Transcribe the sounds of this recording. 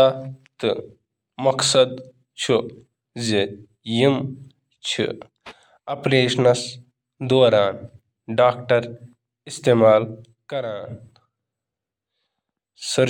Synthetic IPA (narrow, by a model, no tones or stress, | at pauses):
at̪ɨ | mɐksɐd̪ | t͡ʃʰu | zi | jim | t͡ʃʰḭ | ɐpleːʃɐnɐs | d̪oːɾaːn | ɖaːk̚ʈɐɾ | ist̪eːmaːl | kɐɾaːn | sɐɾ